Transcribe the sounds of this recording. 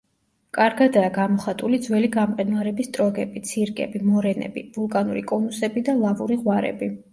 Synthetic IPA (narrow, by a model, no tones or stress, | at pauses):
kʼaɾɡad̪aːɡamɔχat̪ʼulid̪zwɛliɡamqʼɛnvaɾɛbist̪ʼɾɔɡɛbit̪sʰiɾkʼɛ̰bimɔɾɛnɛ̰bivulˠkʼanuɾḭkʼɔnusɛbid̪alˠavuɾiʁwaɾɛ̰bi